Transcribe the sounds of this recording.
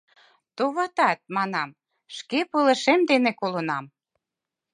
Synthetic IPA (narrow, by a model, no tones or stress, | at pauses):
t̪oβɑt̪ɑt̪̚mɑnɑm | ʃkepɤlĕʃemd̪enekolɤ̆nɑm